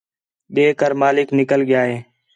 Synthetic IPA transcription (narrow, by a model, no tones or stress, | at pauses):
ɓeːkəɾmaːlɪknɪkəlɠɪjaːɦeː